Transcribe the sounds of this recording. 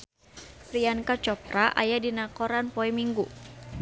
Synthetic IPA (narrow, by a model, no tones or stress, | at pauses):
pɾiankat͡ʃɔpɾaʔa̰jadinakɔɾanpɔɛmiŋɡu